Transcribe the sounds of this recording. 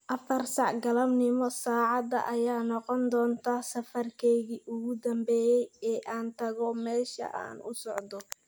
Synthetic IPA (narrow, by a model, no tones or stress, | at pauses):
ʔɐfɐrsɑʕɡɐlɐmnɪmɔsaːʕɑd̪ɐ̰ʔɐjaːnɔqɔnd̪ɔːnt̪ʰaːsɐfɐrkʰɛɣiːʔʊɣʊd̪ɐmbɛːjɛjɛːʔaːnt̪ʰɐɣɔmɛːʃɐ̰ʔa̰ːnʊ̰sɔʕd̪ɔ